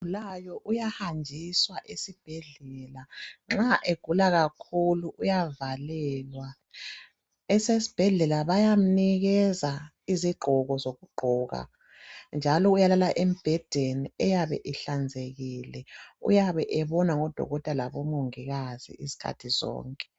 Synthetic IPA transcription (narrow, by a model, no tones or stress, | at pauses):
ulajɔʔujahand͡ʒʱiswaʔesib̥ʱɛɮɛlaŋ͡ǁaʔeɡ̥ʱulaɣakʰuluʔujavalɛːlwa | ɛsesi̥b̥ʱɛɮɛlaβajam̩niɣɛza | iziɡ͡ǃʱɔɣɔzoɣuɡ͡ǃʱɔɣa̰ | nd͡ʒʱalɔujalalaʔem̩b̥ʱɛd̥ʱeniɛjaβɛ̰ʔiɬand͡zʱeɣilɛṵjaβɛʔɛβɔnaŋɔd̥ʱɔ̰ɣɔtʼalaβɔmoŋiɣazḭʔizi̥kʰa̰tʰizɔ̰ːŋkʼɛ̥